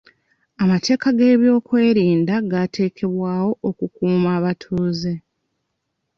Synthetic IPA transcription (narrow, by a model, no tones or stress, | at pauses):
amate̞ːkaɡe̞ːβjo̞ːkwe̞ːɾiːndaɡatʰe̞ːkʰe̞βwaːwo̞ʔokukuːmaːβatʰuːze